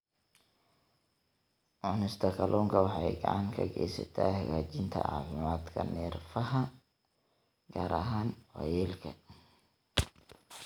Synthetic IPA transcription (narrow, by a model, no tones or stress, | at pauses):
ʔɔnɪst̪ʰɐkʰɐlʔɔːŋkʰɐwɑħɑjɡɐʕaŋkʰɐɡɛjsɐ̰t̪ʰaːhɐɣaːt͡ʃɪnt̪ʰɐ̰ʔɑ̰ːfɪmaːd̪kʰɐnɛːrfɐɦɐ | ɡaːɾɐɦaːnwɐ̰jɛːlkʰɐ